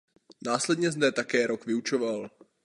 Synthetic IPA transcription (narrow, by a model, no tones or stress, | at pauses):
naːslɛdɲɛznɛt̪akɛːɾokvɪut͡ʃoval